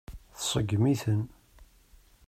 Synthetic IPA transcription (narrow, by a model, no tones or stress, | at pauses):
θsˤəɡːmiθən